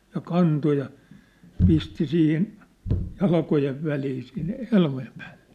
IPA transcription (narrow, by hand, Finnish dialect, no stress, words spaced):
jɑ kɑnto jɑ pisti siːhin jɑlkojeʋ ʋæliː siːn helmojem pæ̥ːl̥ːe̥